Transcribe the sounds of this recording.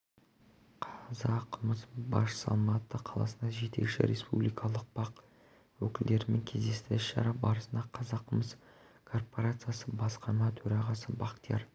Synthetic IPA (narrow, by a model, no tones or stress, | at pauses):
qʰɑzɑqʰəməsbɑʃsɑ̰lˠmɑt̪ːəqʰɑlˠɑ̰sənd̪ɑʒe̞t̪e̞kʃɪ̰ɾʲʔḛspṵblijkʰɑlˠəq̚bɑq | wɵkʲɪld̪e̞ɾɪme̞ŋkʲʰe̞zd̪e̞st̪ɪʃːɑ̰ɾɑpbɑɾəsənd̪ɑqʰɑzɑqʰːəməs | kʰo̞rpo̞ɾat̪sɨijasəbɑsqɑɾmɑt̪ʰɵɾɑʁɑsəbɑqt̪ijɑɾ